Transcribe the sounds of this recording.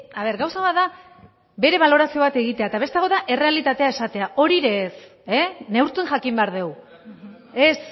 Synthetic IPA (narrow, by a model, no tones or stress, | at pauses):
aβ̞e̞ɾɡawsaβat̪ða | be̞ɾe̞βalo̞ɾasio̞β̞at̪e̞ɣit̪e̞aet̪aβ̞e̞st̪eaɣ̞o̞ðaʔe̞re̞alit̪at̪e̞ae̞sat̪e̞aʔo̞ɾiɾe̞ːsene̞wɾt̪unʝakimbeaɾðe̞w | e̞s